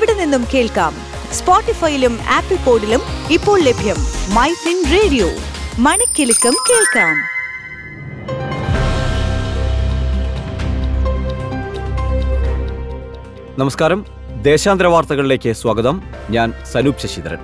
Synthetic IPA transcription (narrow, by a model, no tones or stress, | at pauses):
iʋiɽɐninːumke̞ːɭka̰ːm | spoːʈːifɐjiluma̰ːpːipːo̞ːɖilumipːo̞ːɭlebʱjɐmːɐjsinreːɖijo̰ːmɐɳɐkʲːilukːɐmke̞ːɭkaːm | nɐmɐskaːɾɐm | d̪e̞ːɕaːnd̪ɾɐʋaːrt̪ɐɣɐɭile̞ːkʲːɨswɐːɡɐðɐm | ɲaːnsɐnuːpɕɐɕit̪ɐɾɐ̰n